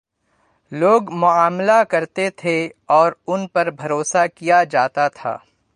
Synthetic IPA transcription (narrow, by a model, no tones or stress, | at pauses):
loːɡmʊaːmlakɐɾt̪et̪ʰeɔːɾʊnpɐɾbʱɐɾoːsakijad͡ʒaːt̪at̪ʰa̰ː